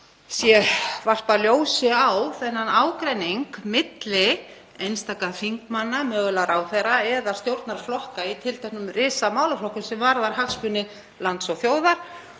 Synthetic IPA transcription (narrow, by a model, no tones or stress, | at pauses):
sjɛvar̥paljoːwsɪawθɛnːanaːwkɾɛnːiŋkmɪt̪lɪ | ejnst̪aːkaðfiŋkmanːamœːɣlaɾawθejraɛðḁst̪jowɾt̪naɾ̥flɔhkait̪ʰɪlt̪ʰɛhknʏmrɪːsamaːwlaflɔhkʏmsɛmvaɾðaɾ̥hakspʏnɪ | lant̪sɔθjoːwðaɾ̥